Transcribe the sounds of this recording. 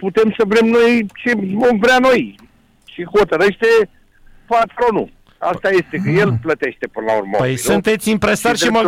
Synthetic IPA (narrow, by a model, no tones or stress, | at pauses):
put̪e̞msəvɾe̞mno̞jt͡ʃevo̞mvɾeano̞j | ʃeho̞t̪əɾe̞ʃt̪e̞ | pat̪ɾo̞nṵ | a̰st̪aje̞st̪ekəje̞lplət̪e̞ʃt̪e̞pɨnəla̰ṵrma̰pəjsunt̪e̞t̪sʲimpɾesatrʲʃima